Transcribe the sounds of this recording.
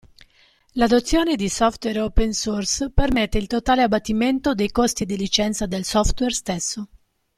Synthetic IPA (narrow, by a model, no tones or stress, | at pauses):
lad̪ot̪sːjɔːned̪isɔft̪wɛɾɔpensurspermet̪ːeilt̪ot̪aːleabːat̪ːiment̪od̪ejkost̪id̪ilit͡ʃɛnt̪sad̪elsɔft̪wɛrst̪esːo